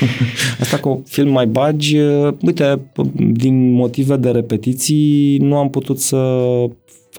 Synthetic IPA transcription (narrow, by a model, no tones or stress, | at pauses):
əst̪akofilmːajbad͡ʒəujt̪e̞d̪inmo̞t̪ive̞d̪e̞ɾe̞pe̞t̪it̪sijnuamput̪ut̪sə